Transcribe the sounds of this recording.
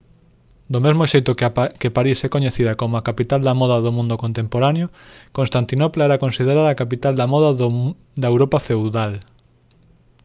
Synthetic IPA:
d̪omezmoʃejt̪ʊkkepaɾisɛkoɲeθiðɐkomoakapit̪ald̪amɔðɐðomũnd̪okõnt̪empoɾanjokonst̪ant̪inoplaɛɾakonsið̞eɾaɾakapit̪ald̪ɐmɔða | d̪ɐewɾopafewðal

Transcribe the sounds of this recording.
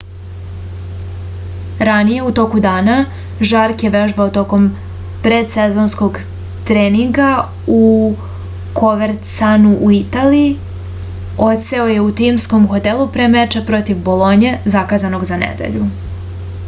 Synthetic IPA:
ɾanije̞ut̪o̞kud̪aːna | ʒaɾkjeʋe̞ʒbaot̪o̞ko̞m | pɾed̪sezo̞nsko̞ɡ | t̪ɾeːniŋɡa | u | ko̞ʋeɾt̪sanuʔuit̪aːliː | o̞t̪se̞o̞je̞ut̪imsko̞mxo̞t̪elˠupɾemet͡ʃepɾo̞t̪iʋbo̞lˠo̞ɲe̞zakaːzano̞ɡzanḛd̪ḛʎu

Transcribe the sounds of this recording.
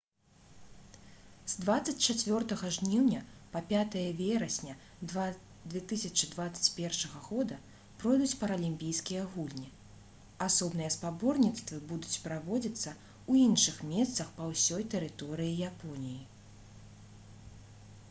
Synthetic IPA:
zd̪vat̪sːɐt͡sʲt͡ʃat͡sʲvʲɔrt̪ɐɣɐʐnʲiwnʲɐpɐpʲat̪ɐjɐvʲɛɾɐsʲnʲɐ | d̪vʲɛt̪ɨsʲɐt͡ʃɨd̪vat̪sɐ̥t͡sʲpʲɛrʂɐɣɐɣɔd̪ɐ | pɾɔjd̪ut͡sʲpɐɾɐlʲimʲpʲijskʲijɐɣulʲnʲi | asɔbnɨjɐspabɔrnʲit̪st̪vɨbud̪ut͡sʲpɾavɔd͡zʲit̪sːɐ | uinʂɨxmʲɛst̪sɐxpɐwsʲɔjt̪ɛɾɨt̪ɔɾɨjijapɔnʲiji

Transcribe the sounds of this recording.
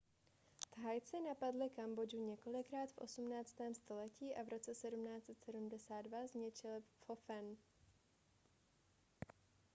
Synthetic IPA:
t̪ɦajt͡sɪnapadlɪkambo̞d͡ʒuɲɛko̞lɪkɾaːt̪fʔo̞̰sumnaːt͡st̪ɛːmst̪o̞lɛciːʔavɾo̞t͡sɛsɛdumnaːt͡sɛt̪sɛdumdɛsaːddvazɲɛt͡ʃɪlfo̞fɛn

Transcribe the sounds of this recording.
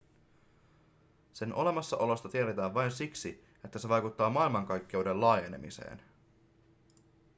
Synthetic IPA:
se̞nʔo̞̰le̞mɑsːɑʔo̞lo̞st̪ɑt̪ieɾet̪æːʋʋɑjnsiksi | e̞t̪ːæse̞ʋɑjkut̪ːɑːmɑilmɑŋkɑjkːe̞uwde̞lɑːjene̞̰mḭse̞̰ːn

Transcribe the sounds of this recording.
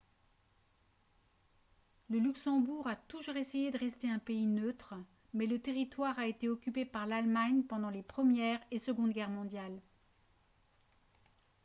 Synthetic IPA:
ləlyksɑ̃buʁat̪uʒuʁesejed̪əʁɛst̪eɛ̃peinøt̪χ | mɛlət̪eʁit̪waʁaet̪eɔkʲypepaʁlalmaɲpɑ̃d̪ɑ̃lepχəmjɛʁesəɡɔ̃d̪ɡʲɛʁmɔ̃d̪jal

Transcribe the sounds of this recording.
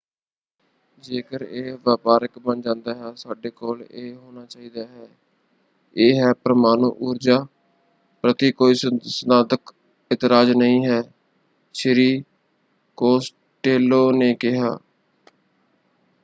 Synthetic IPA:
d͡ʒeːkəɾeːʋjaːpaːɾəkbənd͡ʒãːnd̪aːɦɛːsaːɖeːkoːleːɦoːnaːt͡ʃaːiːd̪aːɦɛː | eːɦɛːpəɾəmaːnuːʔuːɾd͡ʒaː | pɾət̪iːkoːiːsənaːd̪ək | ɪt̪ɪɾaːd͡ʒnəĩːɦɛː | ʃɾiː | koːs | ʈeːloːneːkɪɦa̰ː

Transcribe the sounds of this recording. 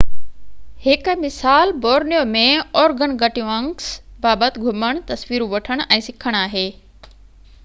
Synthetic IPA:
hɪkmɪsaːlboːɾnijomẽɔːɾɡənɡʱɐʈijũɐ̃ŋsbaːbət̪ɪ̆ɡʱʊməɽ̃t̪ɐsʋiːɾũʋɐʈʰəɽ̃ɛ̃ːsɪkʰəɽ̃aːɦeː

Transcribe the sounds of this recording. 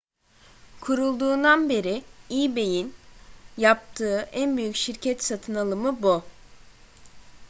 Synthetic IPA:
kʰuɾulˠd̪uːnd̪anbe̞ɾiiːbe̞jinjap̚t̪ʰɯːʔænbyjycʃiɾcʰɛt̪sat̪ʰɯnalˠɯmɯbu

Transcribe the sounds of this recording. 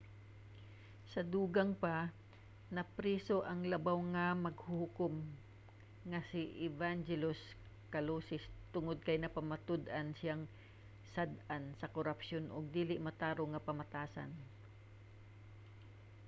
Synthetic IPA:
sɐd̪uːɡɐŋpa | nɐpɾiːsoʔɐŋlɐbawŋɐmɐɡhʊhʊkom | ŋɐsɪʔɪvand͡ʒɛlos | kɐloːsɪst̪ʊŋod̪̚kɐjnɐpɐmɐt̪ʊd̪ɐnsɪaŋ | sad̪ansɐkoɾɐpʃonʔʊɡ̚d̪iːlɪʔmɐt̪aːɾoŋɐpɐmɐt̪aːsa̰n

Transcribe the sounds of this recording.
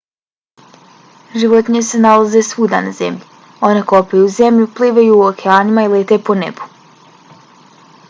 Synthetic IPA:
ʒiʋo̞t̪iɲese̞nalazesuːd̪anaze̞̰mʎi | o̞ne̞ko̞pejuze̞mʎupliʋejuːokeaːnimailet̪epo̞nḛbu̥

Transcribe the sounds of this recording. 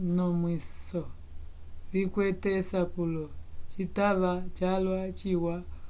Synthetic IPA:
nɔmwisɔ | βikwɛtɛsapulɔt͡ʃitaβat͡ʃalwat͡ʃiwa

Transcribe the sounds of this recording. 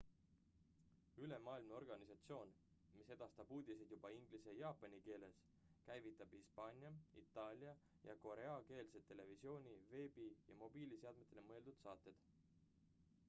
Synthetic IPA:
yle̞mɑːilmneo̞rɡ̥ɑnisɑt̪sio̞ːn | mise̞d̪̥ɑst̪ɑb̥uːd̪̥ised̪jub̥ɑiŋɡ̥lise̞jɑːpːˑɑnʲike̞ːle̞s | kæjvit̪ːˑɑb̥hispɑːnʲjɑit̪ːˑɑːlʲjɑ | jɑ̰ko̞ɾe̞ɑke̞ːlse̞t̪ːe̞le̞visio̞ːnʲiveːbijɑmo̞b̥iːlise̞ɑd̪̚me̞t̪ːˑele̞mɤeld̪ud̪̥sɑːt̪ːˑe̞d̪̥

